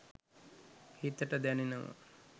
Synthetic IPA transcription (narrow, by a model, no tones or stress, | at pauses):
hit̪əʈəd̪ænenəmə̰